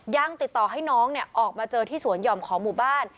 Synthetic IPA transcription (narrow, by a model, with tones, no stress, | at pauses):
ja˧ŋt̪i˨˩t̪ːɔː˨˩ɦa˥˩jnɔː˦˥ŋni˥˩əʔɔː˨˩k̚maː˧t͡ɕɤː˧t̪ʰiː˥˩su˩˦ənjɔː˧mkʰɔː˩˦ŋmuː˨˩baː˥˩n